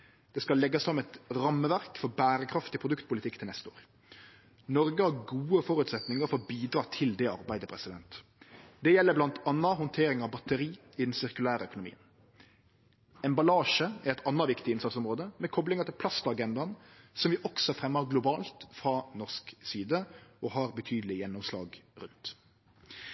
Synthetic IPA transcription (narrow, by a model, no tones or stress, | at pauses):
d̪̥ɛskɑlːɛɡːɑsɔmɛt̪ɾɑmːəʋæʁkfɔɾbæːɾəkʰɾɑft̪ɪpʰɾʊd̪ʉkt̪̚pʊlɪt̪ɪkt̪ʰɪlɛst̪əo̰ːɾ | nɔɾɡəhɑɾɡuːəfɔɾʉt̪sɛt̪nɪŋəɾfɔɾɔbiːd̪ɾɑːt̪ʰɪld̪ɛɑ̰ʁbæɪd̪əpʰɾɛsɪd̪ɛ̰nt̪d̪̥ɛjɛlːəblɑnt̪ɑnːɑɦɔnt̪ʰeːɾɪŋɑʋbɑt̪əɾiː | ɪd̪ɛnsɪʁkʉlæːɾəœkʊnʊmḭːən | ɛnbɑlɑːʂəɛɛɪt̪ʰɑnːɑʋɪkt̪ɪɪnsɑt̪sɔmʁoːd̪əmɛkʰɔblɪŋət̪ʰɪlpʰlɑst̪ɑɡɛnd̪ɑnsɔmʋɪʔɔksɔfɾɛmːəɡlʊbɑːlt̪fɾɑnɔʁsksiːd̪əʔɔɦɑːɾbət̪ʰyːd̪əlɪjɛnːɔmslɑ̰ːɡɾʉnt̪